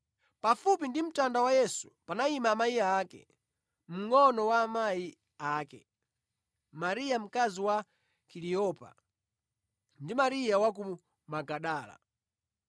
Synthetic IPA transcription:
pafupindim̩tandawajɛsu̥panaimaːmaiaaːkɛ̰ | m̩ŋɔnɔwaːmai | aːkɛ̰ | maɾijam̩kaziwa | kiliɔpa̰ | ndimaɾijawak̬u | maɡaɗaːla̰

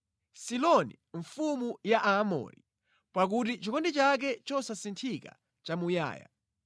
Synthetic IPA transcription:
silɔnḭ | ɱfumujaʔamɔ̰ɾi | pak̬utit͡ʃikɔndit͡ʃak̬ɛt͡ʃɔsasintʰika̰ | t͡ʃamuja̰ːja̰

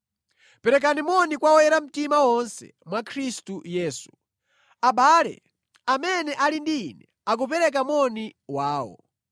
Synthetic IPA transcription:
pɛɾɛk̬animɔnikwawɔjɛɾam̩timawɔnsɛ̰mwakʰɾistujɛːsu | aɓaːlɛ̰ | amɛnɛʔalindinɛ | ak̬upɛɾɛk̬amwɔniwaːwɔ̰

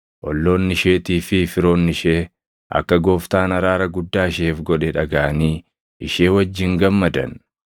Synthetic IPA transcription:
ʔɔlːo̞ːnːɪʃe̞ːt̪iːfɪfɪɾo̞ːnːɪʃeː | ʔɐ̰kːɐɡo̞ːft̪aːnɐɾaːɾɐɡʊd̪ːaːɪʃeːfɡɔᶑɛᶑɐɡaːɐniː | ɪʃe̞ːwɐd͡ʒːɪŋɡɐmːɐd̪ɐ̰n

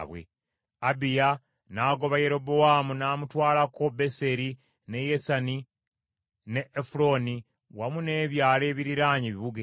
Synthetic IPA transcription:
βwḛ | abija | naːɡo̞βaje̞ɾo̞bowamunaːmutwaːlako̞be̞se̞ɾi | ne̞jesani | ne̞ːfuɾo̞ni | wamune̞ːβjaːle̞ːβiɾiɾaːɲiβiβuɡe

